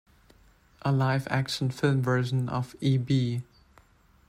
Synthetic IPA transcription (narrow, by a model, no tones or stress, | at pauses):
ʔəlaɪvæ̰kʃə̃nfɪlˠmvɜ˞ʃə̃nʔə̰viːbiː